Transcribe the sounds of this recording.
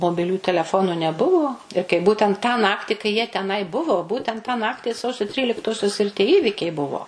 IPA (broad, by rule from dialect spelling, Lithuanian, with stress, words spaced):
moːbʲɪˈlʲuː tʲɛlʲɛˈfoːnʊ nʲɛˈbʊʋoː ɪr kɐɪ ˈbuːtʲɛnt tɑː ˈnɑːktʲɪ kɐɪ jiɛ tʲɛˈnɐɪ ˈbʊʋoː ˈbuːtʲɛnt tɑː ˈnɑːktʲɪ ˈsɐʊsʲoː ˈtʲrʲiːlʲɪktoːsʲoːs ɪr ˈtʲiɛ ˈiːʋʲiːkʲɛɪ ˈbʊʋoː